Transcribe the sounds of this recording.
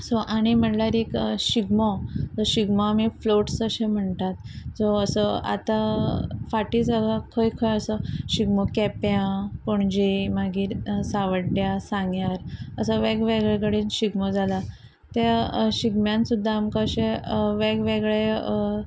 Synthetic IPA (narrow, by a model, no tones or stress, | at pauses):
soʔaɽ̃im̤əɳʈljaɾikɕiɡmɔd͡zɔɕiɡmamifloʈsəɕem̤əɳt̪at̪̚d͡zoəsəa̰t̪afaʈid͡zaɡakʰəjkʰəjəsəɕiɡmɔkɛpjãpoɳd͡ʑimaɡiːɾsaʋəɽɖjasãŋɡjaɾəsəʋeɡʋeɡɭeɡɭinɕiɡmɔd͡zʱala | t̪aɕiɡmjãnsud̪ʱːaːmkəɕẽʋeɡʋeɡɭe